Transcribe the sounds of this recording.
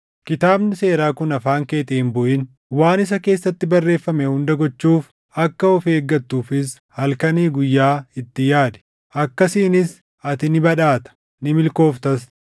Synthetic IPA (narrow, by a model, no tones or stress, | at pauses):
kɪt̪aːbnɪse̞ːɾaːkʊnɐfaːŋkeːt̪ɛɪmbɔʔɪn | waːnɪs̬ɐke̞ːsːɐt̪ːɪbɐrːe̞ːfːɐmɛhʊnd̪ɐɡɔt͡ʃːuːf | ɐkːɐɔfe̞ːɡːɐt̪ːuːfɪs | hɐlkɐniːɡʊjːaːɪt̪ːɪjaːd̪ɛ̥ | ʔɐkːɐsiːnɪs | ɐt̪ɪnɪbɐᶑaːt̪ɐ̥ | nɪmɪlko̞ːft̪ɐs